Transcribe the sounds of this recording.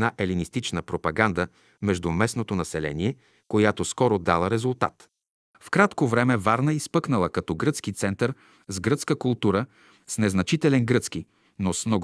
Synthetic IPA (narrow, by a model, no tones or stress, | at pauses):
naʔɛlinist̪it͡ʃnəpɾopɐɡand̪ə | mɛʒd̪umɛsnot̪onɐsɛlɛ̰niɛ | kojat̪oskɔɾod̪alˠəɾɛzʊlˠt̪a̰t̪ | fkɾat̪kovɾɛmɛvaɾnəispɤknəlˠəkɐt̪ɔɡɾɤt̪skit̪sɛnt̪əɾ | zɡɾɤt̪skəkʊlˠt̪uɾə | snɛznɐt͡ʃit̪ɛlɛnɡɾɤt̪ski | nosmnɔɡ